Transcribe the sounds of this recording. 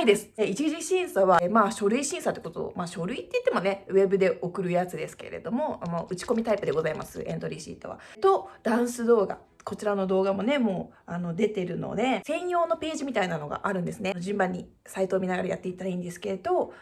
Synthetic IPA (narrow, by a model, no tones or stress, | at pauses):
id̪e̞sɨ̥eit͡ɕiʑiɕĩɰ̃saβamaːɕo̞ɾɯ̟iɕĩɰ̃sat̪ːe̥kot̪o̰maːɕo̞ɾɯ̟it̪ːe̞i̥t̪ːe̞mo̞ne̞βe̞bɯ̟d̪e̞ʔo̞kɯ̟ɾɯ̟jat͡sɨd̪e̞sɨ̥ke̞̰ɾe̞̰d̪o̞mo̞moɯ̟t͡ɕi̥ko̞mʲit̪aipɯ̟d̪e̞ɡo̞zaima̰sɨ̰ẽ̞nt̪o̞ɾʲiɕḭt̪ːo̞̰βa̰t̪o̞d̪̥ãɰ̃sɨd̪o̞ːɡa̰ | ko̞t͡ɕiɾano̞d̪o̞ːɡamo̞ne̞mo̞ː | ano̞d̪e̞t̪e̞ɾɯ̟no̰d̪e̞sẽ̞ɰ̃jo̞ːno̞pe̞ːʑimʲit̪ainano̞ɡa̰ʔaɾɯ̟̃nd̪e̞sɨne̞noʑĩmbãɲ̟ːi | sait̪oːmʲinaɡaɾajat̪ːe̞it̪ːaaĩnd̪e̞sɨ̥ke̞ɾe̞d̪o̞